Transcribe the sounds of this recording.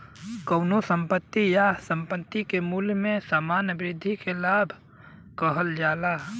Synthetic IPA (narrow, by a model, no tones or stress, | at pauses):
kəːnosə̃mpət̪ːijasə̃mpət̪ːikemuːlmẽsaːmaːnbɾɪd̪ʱːikelaːbʱ | kəɦəld͡ʒaːla